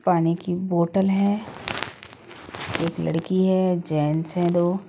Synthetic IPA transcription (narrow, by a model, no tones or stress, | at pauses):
paːnikiboːʈəlɦɛː | eːklɐ̰ɽkiɦɛd͡ʒɛːnsɦɛ̃d̪oː